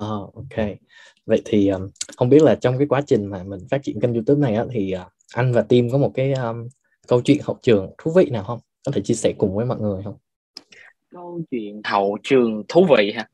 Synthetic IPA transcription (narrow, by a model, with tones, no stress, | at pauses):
ʔəː˨˩ʔo˧kʰe˧ | və̰˧˨jt̪ʰi˨˩ʔəː˨˩mhə˧wŋ͡mɓi˦˥ət̚laː˨˩t͡ɕɔ˧wŋ͡mkaː˨˦jkwaː˨˦t͡ɕï˨˩ŋ̟maː˨˩mï˨˩ŋ̟faː˦˥t̚t͡ɕḭ˧˨ənkə˧nzu˧t̪u˦˥p̚na˨˩jʔaː˨˦t̪ʰi˨˩ʔaː˨˩ | ʔa˧jŋ̟vaː˨˩t̪i˧mkɔ˨˦mo˨˩t̚kaː˨˦jʔəː˧ | kə˧wt͡ɕwḭ˧˨ənhə̰˧˨wt͡ɕɨ˨˩əŋt̪ʰu˨˦vḭ˧˨naː˨˩whə˧wŋ͡mkɔ˨˦t̪ʰe˧˩t͡ɕi˧əsɛ˧˩kʊ˨˩ŋ͡mvəː˨˦jmɔ̰˧˨jŋɨ˨˩əjɦə˧wŋ͡m | kə˧wt͡ɕwḭ˧˨ənhə̰˧˨wt͡ɕɨ˨˩əŋt̪ʰu˨˦vḭ˧˨haː˧